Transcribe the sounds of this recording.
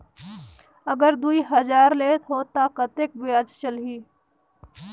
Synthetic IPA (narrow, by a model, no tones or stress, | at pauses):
əɡəɾd̪uːiɦɐzaːɾleːt̪ɦoːt̪akət̪eːk̚bʊjaːd͡ʒt͡ʃəlɦiː